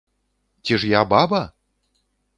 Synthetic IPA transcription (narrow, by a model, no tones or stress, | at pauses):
t͡sʲiʂjababɐ